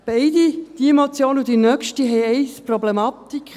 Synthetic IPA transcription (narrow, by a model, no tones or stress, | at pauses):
b̥ɛɪd̪id̥iemot͡sjoːnud̥̪inœkʃtiɦɛɪɛɪsprɔblemɑt̪ikχ